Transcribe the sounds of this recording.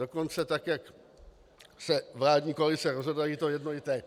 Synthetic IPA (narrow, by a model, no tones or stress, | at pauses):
oko̞nt͡sɛt̪akjak | sɛvlaːdɲiːkoalɪt͡sɛɾozɦodajit̪o̞jɛdnolɪt̪ɛː